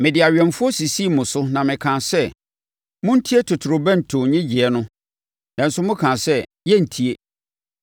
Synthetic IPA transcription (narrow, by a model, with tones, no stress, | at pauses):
mɪ̃˨dɪ˨a˨ɥᶣɛ̃˨nfʊ˦ɔ˦si˨si˦˨mʊ̃˨sʊ˦nã˨mɪ̃˨kʰã˨sɛ˦ | mʊ̃˦n̩˦tʰi˦e˦tʰʊ˨tʰʊ˨ɾʊ˨bɛ̃˦n̩˨tʰʊ̃˨ɲɪ̃˦d͡ʑɪ˨ɛ˦nʊ̃˦ | nã˨n̩˦sʊ˦mʊ̃˦kʰã˨sɛ˦ | jɛ˦n̩˨tʰi˨e˦